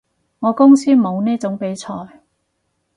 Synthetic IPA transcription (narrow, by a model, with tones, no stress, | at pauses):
ŋɔː˨˧kʊ˥ŋsiː˥mo˨˧wniː˥t͡sʊ˨˥ŋpe˨˥jt͡sʰɔː˧j